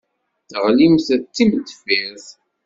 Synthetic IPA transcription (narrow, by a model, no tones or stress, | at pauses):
θəʁlimθæt͡sːiməd̪fiðˤ